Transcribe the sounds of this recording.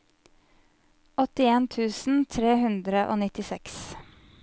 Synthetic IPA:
ɔt̪ɪeːnt̪ʰʉːsn̩t̪ʰɾeːhʉnd̪ɾəʔo̰ːnɪt̪ɪsɛks

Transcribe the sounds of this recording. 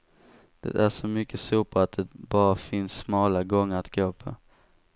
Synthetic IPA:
d̪̥ɛ̰ʔæʂɔmʏkːəsuːpʰɔat̪̚d̪ɛbɑːɾafɪnsːmɑːlaɡɔŋːəɾat̪ɡoːpʰo̰

